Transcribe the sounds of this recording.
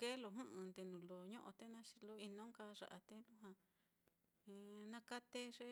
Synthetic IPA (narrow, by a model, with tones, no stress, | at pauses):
ke˦lo˨ɦũ˦ʔɨ̃˧nd̪e˧nũ˨lo˨ɲõ˦ʔõ̰˧t̪e˦nã˦ʃi̥˧lo˧i˧nõ˦ka˧ʐa̰˨ʔa˧t̪e˦lũ˦ɦã˧ | nã˧ka˦t̪e˦ʐe˦